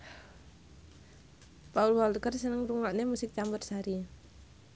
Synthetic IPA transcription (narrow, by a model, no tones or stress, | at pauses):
paulwalkərsənəŋɾuŋaʔnemusɪk̚t͡ʃambərsaɾi